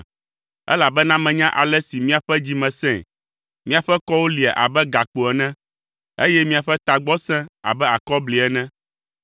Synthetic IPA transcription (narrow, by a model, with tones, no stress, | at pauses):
ɛ̰˦la˨bɛ˦nã˦mɛ̃˨ɲã˦ʔa˨lɛ˦si˨mĩ˦a˨ɸɛ˦d͡ʑi˦mɛ̃˨sɛ̰̃˦˨ | mĩ˦a˨ɸɛ˦kɔ˦wo˦li˨ɛ̰˨ʔa̰˨bɛ˦ɡa˨k͡po˨ɛ˨nɛ̃˦ | ḛ˦jɛ˦mĩ˦a˨ɸɛ˦t̪a˨ɡ͡bɔ˦sɛ̃˦a̰˨bɛ˦a˨kɔ˦bli˨ɛ˨nɛ̃˦